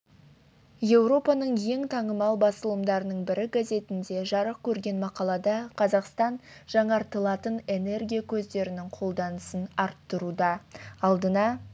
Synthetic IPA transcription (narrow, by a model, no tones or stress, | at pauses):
je̞wɾo̞pɑnəɴje̞ŋt̪ʰɑɴəmɑlˠbɑsəlˠəmd̪ɑɾənəɴbɪɾɪɡaze̞t̪ɪnd̪e̞ʒɑɾəq̚kʲʰɵɾɡʲe̞nmɑqɑlˠɑd̪ɑqʰɑzɑqst̪ɑnʒ̥ɑɴɑɾt̪əlˠɑt̪əne̞ne̞rɡʲijakʲʰɵzd̪e̞ɾɪnɪŋqʰo̞lˠd̪ɑnəsənɑɾt̪ːəɾud̪ɑɑlˠd̪ənɑ